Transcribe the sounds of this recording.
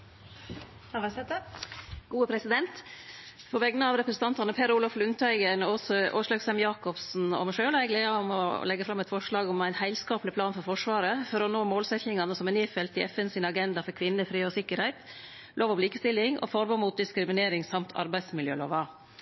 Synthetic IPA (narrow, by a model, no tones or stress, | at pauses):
ɑʋɑsɛt̪əɡ̥uːəpʰɾɛsɪd̪ɛnt̪ | pʰɔʋɛɡnəɑʋɾɛpɾəsn̩t̪ɑnt̪ɑnəpʰeɾuːlɑflʉnt̪ʰæɪɡənɔsʔo̰ːʂlɑɡsɛmjɑːkɔpsn̩ɔ̰mʂøːlæɪɡleːɑɔmɔ̰lɛɡːəfɾɑmɛt̪fɔʂɭɑːɡɔmæɪnhæɪlskɑːplɪpʰlɑːnfɔɾfɔʂʋɑːɾəfɔɾɔnoːmoːlsɛt̪ɪŋɑnəsɔmɛneːfɛlt̪ɪɛfɛnsɪnɑɡɛnd̪ɑfɔɾkʰʋɪnːəfɾiːɔsɪkːəɾhæɪt̪ | lʔoːʋɔʋliːkə̥st̪ɪlːɪŋɔ̰fɔɾboːmuːt̪̚d̪ɪskɾɪmɪneːɾɪŋsɑmt̪ʰɑ̰ɾbæɪd̪smɪljø̰ːlo̰ːʋɑ